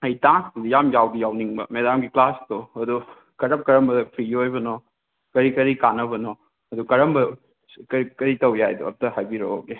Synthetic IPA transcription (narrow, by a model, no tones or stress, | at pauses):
ɐjtasdjamjawdijawniŋbɐ̰medamɡiklastoɐdu | kɐɾɐp̚kɐɾɐmbɐdɐpʰɾijojbɐnɔ | kɐɾikɐɾikanɐbɐnɔ | ɐdukɐɾɐmbɐ | kɐikɐɾitɐwjajduɐ̰p̚tɐhajbiɾooke